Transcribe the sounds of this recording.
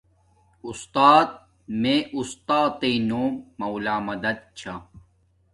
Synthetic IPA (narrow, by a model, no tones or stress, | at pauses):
ust̪aːt̪̚ | meʔust̪aːt̪inoːmːɐwlaːmɐd̪ɐd̪̚t͡ɕʰa